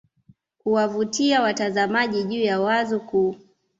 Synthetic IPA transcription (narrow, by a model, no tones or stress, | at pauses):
kuwavutiawatazamaʄiʄuːjawazɔku